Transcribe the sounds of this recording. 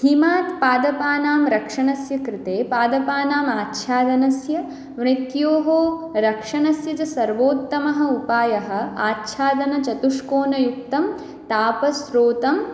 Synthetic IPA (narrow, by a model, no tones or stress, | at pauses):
himaːt̪paːd̪ɐpaːnaːmɾɐkʂɐɳɐsjɐkɾɪt̪eːpaːd̪ɐpaːnaːmaːtːʃʰaːd̪ɐnɐsjɐ | ʋɳit̪joːɦoːɾɐkʂɐnɐsjɐt͡ʃɐsɐɾʋoːt̪ːɐmɐɦɐ̆upaːjɐɦɐ̆aːtːʃʰaːd̪ɐnɐt͡ʃɐt̪uʂkoːnɐjuk̚t̪ɐm | t̪aːpɐsɾoːt̪ɐm